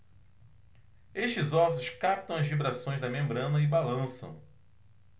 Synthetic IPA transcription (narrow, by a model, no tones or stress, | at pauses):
eʃt͡ʃɪzɔsʊʃkap̚t̪ɐ̃w̃ɐzvibɾasõj̃zd̪ɐmẽmbɾɐ̃nɐɪbalɐ̃sɐ̰̃w̃